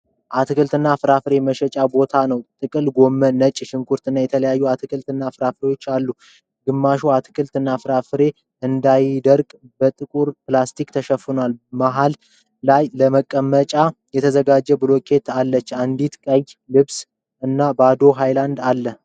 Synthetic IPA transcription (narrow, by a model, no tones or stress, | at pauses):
ʔat̪ʰɨkɨlt̪ɨnːafɨɾafɨɾe̞məʃɛt͡ʃʼabo̞t̪ʰanəwt̪ʼɨkʼɨlɡo̞mːənət͡ʃʼːʃɪŋkʰuɾt̪ɨnːajɛt̪ʰələjajːuat̪ʰɨkʰɨlt̪ɨnːafɨɾafɾewo̞t͡ʃːalːu | ɡɨmːaʃuat̪ʰɨ̥kʰɨlt̪ɨnːafɨɾafɨɾe̞ | ʔɨnd̪ajd̪əɾkʼ | bət̪ʼɨkʼuɾplast̪ʰikt̪ʰəʃəfːɨnalmaɦal | lajləməkʼːəmːət͡ʃʼajɛt̪ʰəzəɡad͡ʒːɛbɨlo̞kʰe̞t̪ʰalːət͡ʃːand̪it̪kʼəjlɨβs | ʔɨnːabad̪o̞ɦajland̪alːə